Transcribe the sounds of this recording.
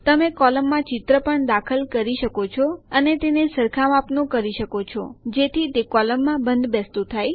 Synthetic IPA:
t̪əmekɔləmːãt͡ʃɪt̪ɾəpəɳd̪akʰəlkəɾiʃəkot͡ʃʰɔənet̪enesəɾkʰamapnõkəɾiʃəkot͡ʃʰɔ̰d͡ʒet̪ʰit̪ekɔləmːãbənd̪bɛst̪ut̪ʰaj

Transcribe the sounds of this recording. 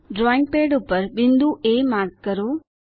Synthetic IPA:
ɖɾɔːɪ̃ŋɡ̚peːɖʊpːəɾbɪ̃nd̪uʔeːmaːɾɡkəɾoː

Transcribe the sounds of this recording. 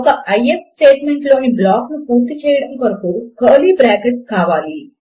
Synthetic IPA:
ɔkɐʔɐjep̚sʈeːʈmeɳʈloːniblaːknupuːɾt̪it͡ʃɛːjɐɽɐmkɐɾɐkukɐːlibɾaːkeʈskaːʋaːli

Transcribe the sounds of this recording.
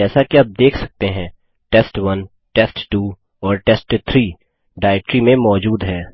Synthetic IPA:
ɛːsakiɐb̚d̪eːkʰsɐk̚t̪eɦɛ̃ː | ʈɛːsʈʋɐn | ʈɛsʈʈuː | ɔːɾʈɛsʈt̪ʰɾiː | ɖaːɪʈɾimẽmɔːd͡ʒuːd̪ɦɛː

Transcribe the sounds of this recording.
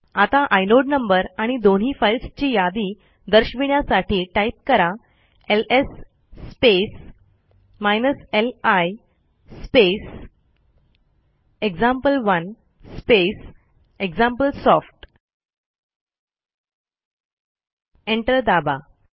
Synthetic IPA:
at̪aʔajloɖnəmbəɾaɽ̃id̪oɳ̤ɦiːfailst͡ɕiːjad̪iː | d̪əɾɕʋiɳjasaʈʰiːʈaip̚kəɾa | elesː | pes | majnəselaj | spes | eɡd͡zãmpəlʋən | spes | eɡd͡zãmpəlsɔfʈ | eɳʈəɾd̪aba

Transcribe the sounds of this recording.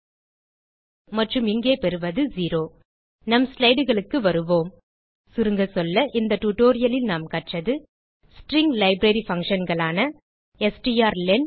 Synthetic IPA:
mɐʈrɯmɪŋɡeːpɛɾɯʋɐðɯziːɾoː | nɐmslɐɪɽɯɣɐɭɯkːɯʋɐɾɯʋoːm | sʊɾɯŋɡɐsɔlːɐʔɪnd̪ɐʈuʈoːɾɪjɐlɪlnaːmkɐʈrɐðɯ | sʈɾɪŋɡlɐɪbɾɐɾifɐŋkʂɐnɡɐɭaːnɐ | ɛsʈijaːɾlɛn

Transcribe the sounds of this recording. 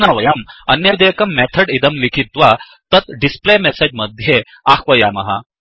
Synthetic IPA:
nɐʋɐjɐmɐnjɐd̪ekɐmːɛt̪ʰəɖid̪ɐmlikʰit̪ʋa | t̪ət̪ɖisplemesed͡ʑməd̪ʱje | axʋɐjɐmɐɦa̰

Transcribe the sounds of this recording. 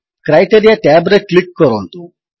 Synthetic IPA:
kɾajʈeɾijaʈaːbɾeklikːɔɾon

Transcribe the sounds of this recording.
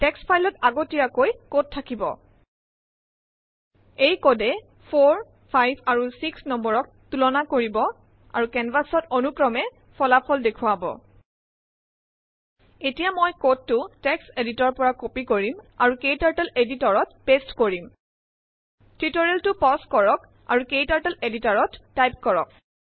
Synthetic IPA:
tɛkspʰajlɔtaɡotijakojkod̚tʰːakibɔ̰ | ejkodɛ | pʰoɹ | pʰajbʱaɹusiksnɔmbɔɹɔk̚ | tulɔnakoɹibɔ | a̰ɹukɛnbasɔtonukɹɔmɛ | pʰɔlapʰɔldekʰʊwabɔ̰ | etijamojkod̚tʊtɛkseditɔɹpɔɹakopikoɹimaɹukejtaɹtɛleditɔɹɔtpestkoɹim | tɹitɔɹeltʊpɔskɔɹɔk | a̰ɹukejtaɹtɛleditaɹɔtːajp̚kɔɹɔk̚

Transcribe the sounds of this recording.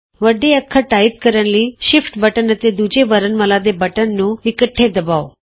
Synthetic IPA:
ʋəɖeəkʰːəʈaip̚kəɾjanliːɕifʈbəʈənːət̪ed̪ud͡ʑeʋəɾənməlad̪ebəʈənːuːʋikəʈʰːed̪əbaʋo

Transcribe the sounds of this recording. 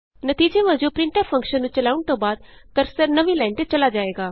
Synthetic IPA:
nət̪iːd͡ʒeːʋəd͡ʒõːpɾɪ̃ɳʈaːpʰə̃ŋkʃənːũːt͡ʃəlaːʊɳt̪õːbaːd̪̚kəɾsəɾnəʋiːlaːɪnt̪eːt͡ʃəlaːd͡ʒaːeːɡaː

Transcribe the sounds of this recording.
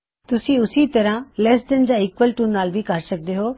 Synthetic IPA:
t̪ʊsĩːʊsiːt̪ɐɾãːlɛsʈ̪ənd͡ʒ̪aːɪkʋəlʈuːnnːaːlbʱiːkɐɾsək̚d̪eːɦoː

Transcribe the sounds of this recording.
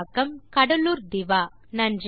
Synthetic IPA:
kɐmkɐɽɐluːɾd̪ɪʋaː | nɐndr

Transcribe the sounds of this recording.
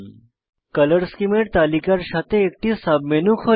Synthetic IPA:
kɐləɾskimeʈ̚t̪alikaɾɕat̪eːk̚ʈisabmenukʰo

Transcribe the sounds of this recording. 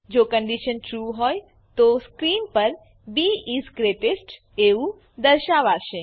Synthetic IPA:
d͡ʒoːkə̃ɳɖiʃənʈɾuːɦɔj | t̪oskɾiːnpəɾ | biisɡɾeʈesʈ | eũ | d̪əɾʃaʋaːʃe

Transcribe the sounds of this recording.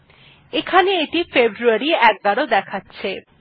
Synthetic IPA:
ekʰaneeʈifebɾuaɾiɛk̚ɡaɽod̪ɛkʰatːɕʰe

